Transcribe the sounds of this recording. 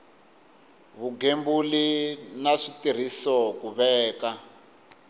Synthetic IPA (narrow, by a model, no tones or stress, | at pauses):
βuɡembulinaʂitir̤isɔkuβɛːka